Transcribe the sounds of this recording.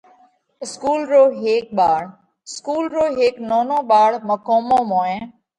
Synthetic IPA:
ɪskuːlɾoːɦeːk̚ɓaːɽ | ɪskuːlɾoːɦeːknoːnõːɓaːɽməkoːmõːmõːẽː

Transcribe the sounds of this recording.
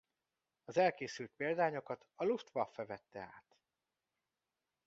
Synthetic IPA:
ɒzɛlkeːsylt̪̚peːld̪aːɲo̞kɒt̪ɒluft̪ʋɒfːɛvɛt̪ːɛa̰ːt̪

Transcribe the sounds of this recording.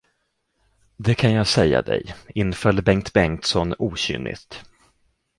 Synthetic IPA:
d̪ɛkʰanjɑːsɛjːa̰d̪ɛ̰jɪnːfœlːbɛŋt̪bɛŋt̪sɔnuːɕʏ̰nʔɪ̰st̪

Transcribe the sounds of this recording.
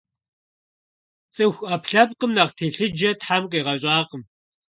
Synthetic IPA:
t͡sʼɨxʷɐpʰɬɐpqʼəmnɐʁtʰeːɬɨd͡ʒɐtħamqiːʁɐɕʼaːqəm

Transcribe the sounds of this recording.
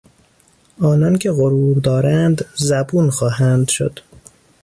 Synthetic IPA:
ʔɒːnɒːncʰe̞ɣoɾuːɾd̪ɒːɾænd̪zæbuːnxɒːɦænd̪ʃo̰d̪̥

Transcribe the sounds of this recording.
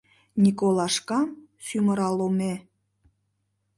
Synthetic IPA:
nʲikolɑʃkɑm | syməɾɑlome

